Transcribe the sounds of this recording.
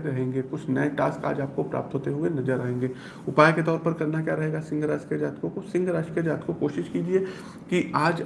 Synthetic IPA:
d̪ɾɐɦẽːŋɡekʊt͡ʃʰnɐeʈaːska̰ːd͡ʒaːp̚kopɾa̰ːp̚t̪ɦoːt̪eɦũːenɐzəɾːɐɦẽːŋɡeː | ʊpaːjket̪ɔːɾpɐɾkɐɾnakjaːɾɐɦeːɡasɪ̃ŋɡʱɾaːsked͡ʒaːt̪kokosɪ̃ŋɡʱɾaːʃked͡ʒaːt̪kokoːʃɪʃkiːd͡ʒie | kiaːd͡ʒ

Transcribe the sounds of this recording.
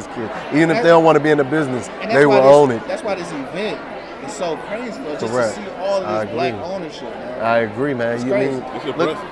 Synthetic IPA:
z̥kʰɪdivɨ̃nɨffðeɪɾõʊ̃ʔwɑ̃nəbiɨ̃nɨbɪznɨs | ðeɪwə˞õʊ̃nɨt̚ðætswaɪðɪsivɛ̃nt̚ | ɨ̥soʊkʰɹ̥eɪzkʰə˞ɛk̚ti | ɔlˠaɪɨɡɹiõʊ̃nə˞ʃɪp | aɪɨɡɹimæ̃njɨmĩnlʊ

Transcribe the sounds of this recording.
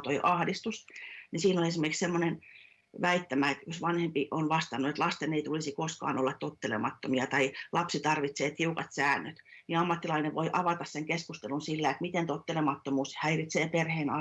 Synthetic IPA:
t̪oiʔɑhdist̪usnisiːnolesimerkikssemːonen | ʋæit̪ːæmæet̪josʋɑnhempiʔonʋɑst̪ɑnːuet̪lɑst̪eneit̪ulisikoskɑ̰ːnolːɑt̪t̪ot̪ːelḛmɑt̪ːomiɑt̪ɑilʔɑpsit̪ɑrʋit̪seːt̪hiukɑ̰t̪sæːnːøt̪niɑmːɑt̪ːilɑineʋoiʔɑʋɑt̪ɑsseŋkeskust̪elunsilːæet̪mit̪ent̪ot̪ːelemɑt̪ːomuːshæirit̪seːperheːnɑ

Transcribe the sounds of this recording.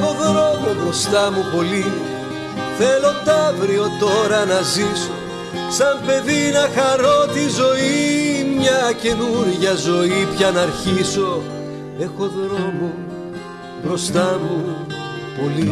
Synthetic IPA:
o̞ðɾo̞mo̞bɾo̞st̪ɐmupo̞li | θe̞lo̞t̪ɐvɾio̞t̪o̞ɾɐnɐziso | sɐmpe̞ðinɐxɐɾo̞t̪izo̞imɲɐce̞nuɾʝɐzo̞ipçɐnɐɾçiso̞ | e̞xo̞ðɾo̞mo | bɾo̞st̪ɐmu | po̞li

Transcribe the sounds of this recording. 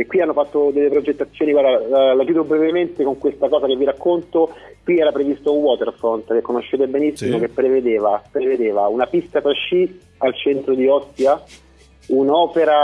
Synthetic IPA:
kːwianːofat̪ːod̪elːepɾod͡ʒet̪ːat̪sːjoːniɡwaɾd̪alakjuːd̪obɾɛvement̪ekoŋkwest̪akɔːzakevːiɾakːont̪o | kwiɛːɾapɾevist̪ouŋwɔːt̪eɾafɾont̪kekːonoʃːeːt̪̬ebenisːimok̟epːɾeved̪eːvapɾeved̪eːvaunapist̪at̪ɾat͡ʃːi | alt͡ʃɛnt̪ɾod̪iɔsja | unɔːpeɾa

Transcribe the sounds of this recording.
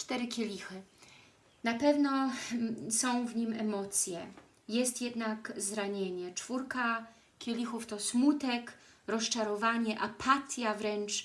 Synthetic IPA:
t͡ʂt̪ɛɾɘkʲelʲixɘ | napɛvnɔ | sɔ̃w̃vɲimɛmɔt̪sʲjɛ | jɛst̪jɛd̪nakzɾaɲeɲɛt͡ʂfuɾka | kʲelʲixuft̪ɔsmut̪ɛkɾɔst͡ʂaɾɔvaɲɛʔapʰat̪ʲjavɾɛnt͡ʂ

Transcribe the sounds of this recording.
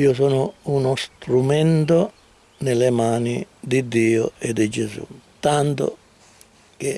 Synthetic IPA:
iːʊs̬ɔːnʊunost̪ɾumɛnt̪o | nɪlemaːni | d̪id̪ːiːʊ̰ed̪id͡ʒesṵt̪ant̪ʊ̰ | k̟e

